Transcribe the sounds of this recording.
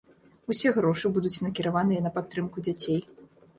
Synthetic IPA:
usʲɛɣɾɔʂɨbud̪ut͡sʲnɐkʲiɾavanɨjɐnɐpat̪ːɾɨmkud͡zʲat͡sʲej

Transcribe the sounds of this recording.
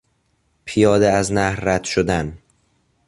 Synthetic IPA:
pʰijɒːd̪eæznæhɾːæd̪̥ʃod̪æn

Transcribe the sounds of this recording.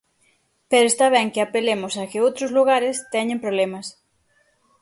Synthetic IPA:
peɾoest̪aβ̞ɛŋkɪapelemʊsɐkɪowt̪ɾʊzluɣ̞aɾɪst̪ɛɲẽmpɾoβlɛmɐs

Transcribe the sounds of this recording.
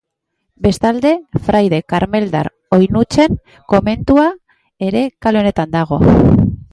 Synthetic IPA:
be̞st̪ald̪e̞fɾajðe̞kaɾme̞ld̪a̰ɾ | o̞jnut͡ʃe̞ŋ | ko̞me̞nt̪ua | e̞ɾe̞kalone̞t̪and̪aɣ̞o̞̰

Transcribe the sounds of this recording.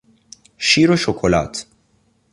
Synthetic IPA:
ʃiːɾoʃokʰola̰ːt̪ʰ

